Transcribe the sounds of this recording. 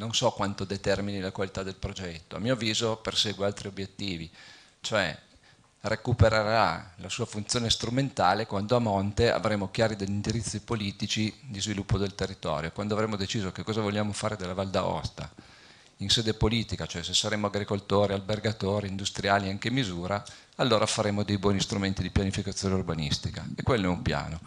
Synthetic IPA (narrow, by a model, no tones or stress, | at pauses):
nonsɔkːwant̪od̪et̪ɛrminilakwalit̪ad̪ːelpɾod͡ʒɛt̪ːoa̰mːiːoviːzoperseːɡwealt̪ɾiobjet̪ːiːvi | t͡ʃoɛ̰ | rekupeɾeɾa̰lasuːafunt̪sjoːnest̪ɾument̪aːlekwand̪oamɔnt̪ea̰vɾeːmokjaːɾid̪eʎːind̪iɾit̪sːipoliːt̪it͡ʃid̪izvilupːod̪elt̪erːit̪ɔ̰ːɾjokwand̪oavɾeːmod̪et͡ʃiːzokekːɔːzavoʎːjaːmofaːɾed̪elːavald̪aɔ̰st̪a̰ | inseːd̪epoliːt̪ikat͡ʃoɛsesːaɾeːmoaɡɾikolt̪oːɾialberɡat̪oːɾiːnd̪ust̪ɾiaːliaŋkemizuːɾa | alːoːɾafaɾeːmod̪ejbwɔːnist̪ɾument̪id̪ipjanifikat̪sːjoːneurbanist̪ika̰ekːwelːoɛumpja̰ːno